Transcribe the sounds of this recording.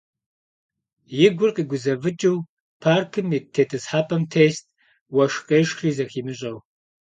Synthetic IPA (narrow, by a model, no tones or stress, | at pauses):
jɪɡʷʊrqiːɡʷʊzɐvɨd͡ʒʼɨw | pʰaːrkʰɨmitʰeːtʰɨsħaːpʰɐmtʰeːst̚ʰʼ | wɐʃqeːʂxriːzɐxiːmɨɕʼɐw